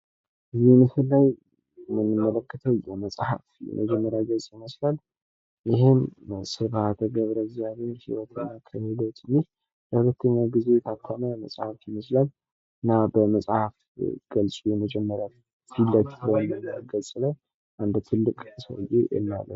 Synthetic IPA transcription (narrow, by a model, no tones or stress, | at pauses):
ɨzimɨhɨlːaj | mɨnːɨmːələkːət̪ʰəwjɛməsʼhafjɛ̰mʔəd͡ʒɛmːəɾjaɡəlsʼjiməslal | jɪɦemsɨβat̪ʰəɡəβɾəɡziaβenhiwɔt̪ʰɨnːakʰəhelot̪ɨnːih | bəhulət̪ʰːəɲːaɡize̞t̪ʰakʰʷːaməməsʼhafjɪməslal | ɨnːabəməsʼhaf | ɡ̥əlsʼujɛməd͡ʒɛmːəɾja | silːət̪ːhonəɡəlsʼlaj | ʔand̪t̪ʰɨlːɨkʼsə̰wɨjḛjʔɛ̰nːa̰lːə̰